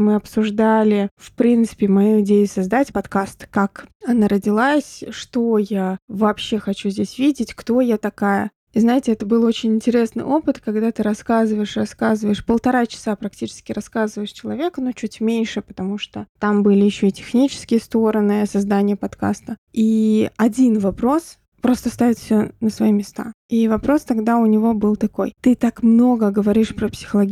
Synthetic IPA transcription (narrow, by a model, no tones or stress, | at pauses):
mɨɐpsʊʐd̪alʲɪfpɾʲint̪sɨ̥pʲɪmɐjuɪdʲejʊsɐzd̪atʲpɐt̪kast̪kakɐnaɾədʲɪlˠasʲʂt̪o̞javɐːpɕːe̞xɐt͡ɕuzʲdʲesʲvʲidʲɪtʲkt̪o̞jat̪ɐkajə̰ | iznaɪtʲɪɛt̪əbɨlˠo̞t͡ɕɪnʲɪnʲtʲɪɾʲe̞snɨ̰jʔo̞pɨt̪kɐɡd̪at̪ɨɾɐskazɨvəjɪʂrɐskazɨvəjɪʂpəlˠt̪ɐɾat͡ɕɪ̥sapɾɐktʲit͡ɕɪ̥skʲɪɾɐskazɨvəjɪʂt͡ɕɪlˠɐvʲe̞knut͡ɕutʲmʲenʲʂɨpə̥t̪ɐmuʂt̪ot̪ambɨlʲɪjɪɕːo̞itʲɪ̥xnʲit͡ɕɪ̥skʲɪjəst̪o̞ɾənɨsɐzd̪anʲɪjəpɐt̪ka̰st̪əiɐdʲinvɐpɾo̞s | pɾo̞st̪əst̪avʲɪt̪fʲsʲonəsvɐimʲɪst̪a̰ivɐpɾo̞st̪ɐɡd̪aʊnʲɪvo̞bɨlˠt̪ɐko̞̰jt̪ɨt̪akmno̞ɡəɡəvɐɾʲiʂpɾəpsʲɪ̥xəlˠɐɡʲ